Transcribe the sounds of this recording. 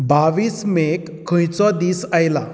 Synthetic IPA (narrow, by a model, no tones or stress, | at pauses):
baʋiːsmekʰːə̃jt͡sɔd̪iːsajla